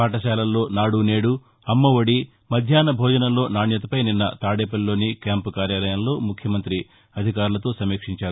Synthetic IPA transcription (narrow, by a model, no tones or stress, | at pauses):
paːʈɐʃaːlɐllo̞ːnaːɽune̞ːɽu | ɐmːɐʋɐɽi | mɐd̪ʱjaːnɐbʱɔːd͡ʒɐnɐlo̞ːnaːɳjɐt̪ɐpɐjninːɐt̪aːɽeːpɐllːo̞ːnikjaːmpkaːɾjaːlɐjɐmlo̞ːmukʰjɐmɐnt̪ɾi | ɐd̪ʱikaːɾulɐt̪o̞ːsɐmeːkʂiɲt͡ʃaːɾu